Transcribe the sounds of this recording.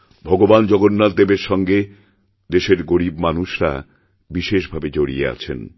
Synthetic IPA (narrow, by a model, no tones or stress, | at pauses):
bʱɔɡoband͡ʑɔɡonːad̪ebeɾʃɔŋɡe | d̪eʃeɾɡoɾibmanuʃɾa̰ | biʃeʃbʱabed͡ʑoɽiea̰t͡ɕʰḛn